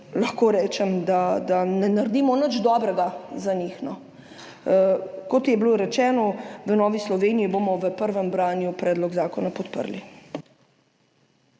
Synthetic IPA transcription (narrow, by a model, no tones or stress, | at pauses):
lɐxkoːɾɛːt͡ʃɛmd̪ad̪anɛnaɾd̪iːmɔnəd͡ʒd̪ɔːbɾɛɡazanixnɔ | kɔt̪jɛbloːɾɛt͡ʃɛːnɔʋənɔːʋislɔʋeːnijiboːmɔʋəpəɾʋəmbɾaːnjupɾɛːd̪lɔɡzaːkɔnapɔt̪pə̰ɾli